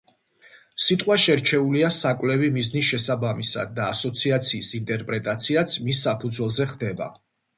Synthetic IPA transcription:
sit̪ʼqʼwaʃɛɾt͡ʃʰɛuliasakʼwlɛvimiznisʃɛsabamisa̰d̪ːaːsɔt̪sʰiat̪sʰiːsint̪ʼɛɾpʼɾɛt̪ʼat̪sʰiat̪sʰmisːapʰud̪zwɛlˠzɛχd̪ɛba̰

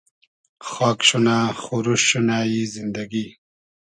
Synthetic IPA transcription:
xɑːkɕunaxuɾuʃːunajizind̪aɡi

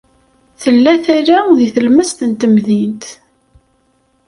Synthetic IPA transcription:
θəlːæθæɾæðiθəlməst̪nt̪əmðint̪

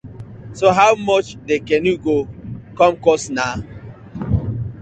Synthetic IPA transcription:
soɦaʊmɔt͡ʃdekɛnuɡokɔmkɔsna

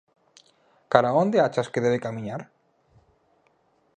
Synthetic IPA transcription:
kaɾaond̪eat͡ʃaskeðeβekamĩɲaɾ

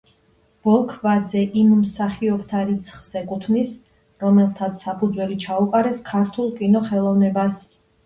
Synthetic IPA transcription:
b̥ɔlˠkʰvad̪zɛʔimːsaχiɔbt̪ʰaɾit̪sʰχz̥ɛkʼut̪ʰvnis | ɾɔmɛlˠt̪ʰat̪sʰsapʰud̪zwɛlit͡ʃʰauqʼaɾɛskʰaɾt̪ʰulˠkʼinɔχɛlˠɔvnɛbas

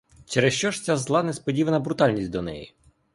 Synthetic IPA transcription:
t͡ʃɛɾɛst͡ʃɔʃtt͡sʲazlˠɑnɛspɔdʲiʋɐnɐbɾʊt̪ɑlʲnʲisʲt̚ʲd̪ɔnɛ̰jḭ

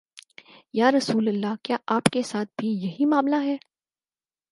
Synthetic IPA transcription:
jaːɾɐsuːləlːakjaːʔaːpkesaːt̪̚ʰbʱijɐɦimaːmlaɦɛː

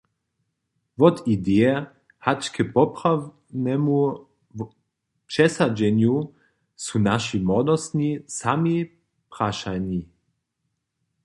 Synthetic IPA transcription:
vɔt̪id̪ɛɛ | hat͡ʃkʰɛpɔpʁaw | nɛmu | pʂɛsad͡ʒɛnju | sunaʃimɔdɔst̪nisami | pʁaʃani

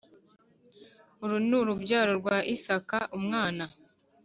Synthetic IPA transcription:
uɾunuɾubɟaːɾo̞ɾɡwaːʔisakaʔumŋaːna

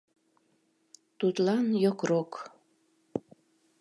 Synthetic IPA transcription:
t̪ut̪lɑnjokrok

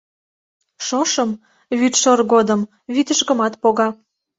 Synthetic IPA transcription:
ʃoʃɤm | βyt̪ʃorɣod̪əm | βit̪ə̆ʃkə̆mɑt̪poɣɑ

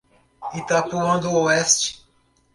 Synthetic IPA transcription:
it̪apuɐ̃nd̪ooɛst͡ʃɪ̥

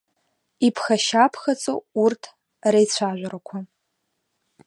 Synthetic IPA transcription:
ipʰxaʃapʰxɐt͡sʼo̰urtʰ | rejt͡ɕʷʰaʒʷaɾakʷʰa

